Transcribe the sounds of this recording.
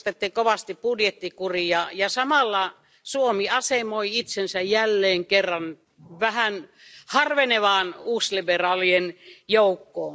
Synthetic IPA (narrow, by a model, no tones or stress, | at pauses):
t̪et̪ːikoʋɑst̪ippudjet̪ːikurijɑjɑsɑmɑlːɑ | suomiɑsemoiit̪sensæjjælːeːŋkerːɑn | ʋæhæn | hɑrʋeneʋɑːnuːsliberɑːlienjoukːoː